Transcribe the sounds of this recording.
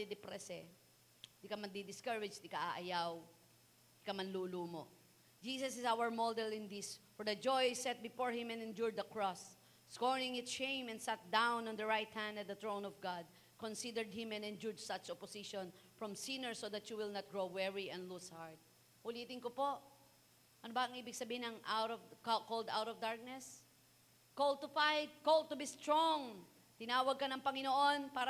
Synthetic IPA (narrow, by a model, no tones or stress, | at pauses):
d̪ɛd̪ɛpɾɛsɛ | d̪ikɐmɐɡ̚d̪ɛd̪ɪskaɹɪd͡ʒt̪ɪkaʔaʔɐjaw | ɪkɐmɐnluːluːmo | d͡ʒiːsɐsɪsawəɹmold̪ɛlɪ̃nd̪ɪsfɔɹd̪ɐd͡ʒɔjsɛt̪̚bɪfoɹhɪ̃mɛ̃nɛ̃nd͡ʒʊɹd̪ɐkɹɔsː | koɹɪ̃ŋɪt̪ʃẽjmɛ̃nd̪sat̪̚d̪ãwnɔ̃nd̪ɐɹajt̪hæ̃nd̪ɐt̪̚d̪ɐt̪ɹõw̃nɔvɡad̪̚ | kɔ̃nsid̪ɛɹd̪̚hɪ̃mɛ̃nɛ̃nd͡ʒuɹd͡ʒsɐt͡ʃɔpɔsiʃɔ̃nfɹɔmsinɛɹsoðɐtjuwɪlˠnɐt̪̚ɡɹowwɛɹiʔɛ̃nd̪lushaɹd̪̚ | hʊliːt̪ɪnkopoʔ | ʔɐnobɐɐŋʔiːbɪɡ̚sɐbiːhɪnɐŋʔawɾɔvkkold̪a̰wt̪ɔvd̪aɹk̚nɛs | kold̪t̪ʊfajd̪̚kold̪̚t̪ʊbist̪ɹɔŋ | t̪ɪnaːwɐɡ̚kɐnɐŋpɐŋɪnoʔonpaːɾ